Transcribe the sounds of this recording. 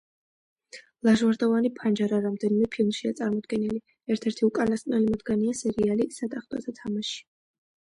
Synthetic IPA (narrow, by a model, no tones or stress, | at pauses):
lˠaʒwaɾd̪ɔvanipʰand͡ʒaɾaɾamd̪ɛnimɛpʰilˠmʃiat̪sʼaɾmɔd̪ɡɛnili | ɛɾt̪ʰɛɾt̪ʰiukʼanast̪ʼnɛlimɔd̪ɡaniasɛɾialisad̪aχt̪ʼɔ̰zat̪ʰamaʃi̥